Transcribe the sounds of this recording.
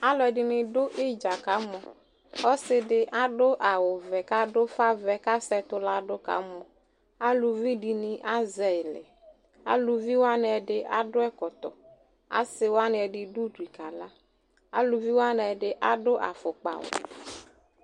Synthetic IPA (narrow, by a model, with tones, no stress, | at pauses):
a˦lɔ˨ɛ˨dɪ˨nɪ̃˨ɖʊ˦ʔɪ˦d͡ʒa˨ka˨˦mɔ̃˨ | ɔ˦sɪ˦dɪ˦ʔa˦ɖʊ˦ʔa˨wʊ˨vɛ˨ka˦dʊ˦fa˦vɛ˦ka˦sɛ˦t̪ʊ˦la˦ɖʊ˦ka̰˨˦mɔ̃˨ | a˦lu˨vi˦ɖi˨nɪ˦ʔa˦zɛ˨ɪ˨lɛ̰˨ | a̰˦lu˨vi˦wo˦a˦nɪ˨ɛ˨ɖɪ˦ʔa̰˨ɖʊ˦ɛ˦kɔ˨t̪ɔ̰˨ | a̰˦sɪ˦wa˦nɪ˦ɛ˨ɖɪ˨du˦di˨ka˨la˦ | a̰˦lʊ˨vi˦wa˦n˨ɛ˨ɖɪ˨ʔa˦dʊ˦ʔa̰˨fʊ˨k͡pa̰˨wʊ̰˨